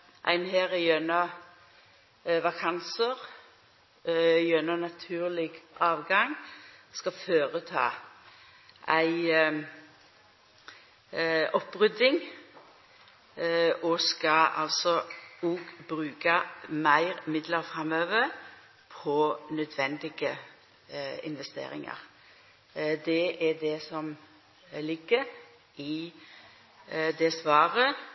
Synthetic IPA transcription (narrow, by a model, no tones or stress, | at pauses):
ʔæ̰ɪnheːʁɛjœnɑ | ʋɑkʰɑnsəʁ | jœnənɑt̪ʰʉːʁlɪɡʔɑːʋɡɑŋskɑføːʁət̪ʰɑ̰ː | ʔæɪ | ɔpːʁʏd̪ɪŋ | ɔskɑɑ̰lt̪sɔuːɡbɾʉːkɑmæɪɾmɪd̪ləɾfʁɑmøːʋəɾ | pʰɔnœd̪ʋɛnd̪ɪɡə | ɪ̰nʋɛst̪ḛːɾɪ̰ŋɑ̰ɾ | d̪ɛʔɛɖɛsɔm | lɪɡəɾ | ɪ | d̪ɛsʋɑːɾə